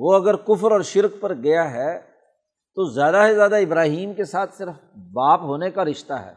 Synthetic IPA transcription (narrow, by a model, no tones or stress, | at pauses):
ʋoːɐɡəɾkʊfəɾɔːɾʃɪɾk̚pɐɾɡɐjaɦɛː | t̪ozjaːd̪aɦezjaːd̪aɪbɾaːɦiːmkesaːt̪ʰsɪɾəf | baːpɦoːnekaɾɪʃt̪a̰ɦɛ̰ː